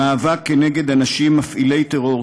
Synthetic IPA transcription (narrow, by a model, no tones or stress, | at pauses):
aːvakːene̞ɡe̞d̪anaʃimːafʔile̞jt̪eʁo̞